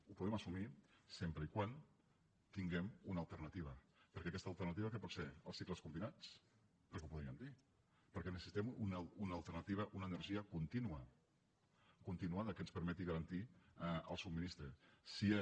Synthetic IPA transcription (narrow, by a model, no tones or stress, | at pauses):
upuðɛməsumisempɾəikwan | t̪iŋɡɛmunəlˠt̪ərnət̪iβəpəɾkɛəkɛst̪əlˠt̪ərnət̪iβəkəpɔt̪sfeə̰lˠsikləskumbinat͡s | əzupuðɾiəmd̪i | pəɾkɛnəsəsit̪ɛmununəːlˠt̪ərnət̪iβəʔunəːnərʒiəkunt̪inuə | kunt̪inuaðəkənspəɾmɛt̪iɣɐɾənt̪iə̰lˠsubminist̪ɾəsi